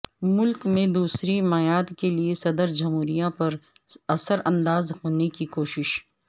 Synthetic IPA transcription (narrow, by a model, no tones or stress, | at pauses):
mʊlkmẽd̪uːsɾimɐjaːd̪keliesɐd̪əɾd͡ʒɐmɦuːɾijãpɐɾɐsəɾɐ̃nd̪aːzhoːnekikoːʃɪʃ